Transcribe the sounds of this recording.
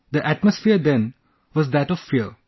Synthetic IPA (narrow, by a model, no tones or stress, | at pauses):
d̪əʔæʈməsfiəɾd̪ɛ̃n | ʋɔzd̪æʈɔʋfiəɾ